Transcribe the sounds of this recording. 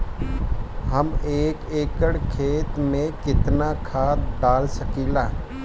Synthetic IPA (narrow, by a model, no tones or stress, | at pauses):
ɦəmeːkeːkəɽkʰeːt̪mẽkɪt̪nakʰaːt̪̚ɖaːlsəkiːlaː